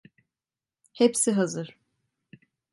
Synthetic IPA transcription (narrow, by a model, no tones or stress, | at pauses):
hepsiɦazɯɾ̥